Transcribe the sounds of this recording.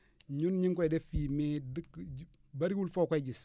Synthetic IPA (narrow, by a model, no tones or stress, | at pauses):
ɲunɲiŋkʷɔdefimedək | baɾiɡulfokʷad͡ʒis